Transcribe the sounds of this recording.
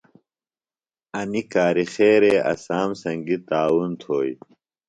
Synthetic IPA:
ɐnikaːɾixeːɾeːʔɐ̰saːmsɐŋɡit̪aːwunt̪ʰoːj

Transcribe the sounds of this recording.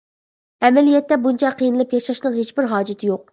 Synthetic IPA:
ɛmɛlijɛt̪ːɛbunt͡ʃʰɑqʰːijnɨlˠɨpjɑʃɑʃnɨŋɦet͡ʃbɪɾɦɑːd͡ʒɪt̪ʰɪjoq̚

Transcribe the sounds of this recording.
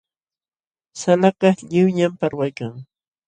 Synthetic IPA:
salakaʎɪwɲampaɾwajkaŋ

